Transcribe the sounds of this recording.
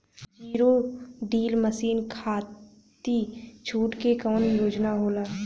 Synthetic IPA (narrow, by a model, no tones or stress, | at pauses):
d͡ʒiːɾoɖiːlməsiːnkʰaː | t̪it͡ʃʰuːʈkekɔːnjoːd͡ʒnaɦoːlaː